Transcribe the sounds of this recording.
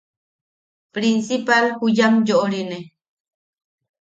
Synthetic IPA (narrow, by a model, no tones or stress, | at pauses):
pɾinsipalhujamjoʔoɾine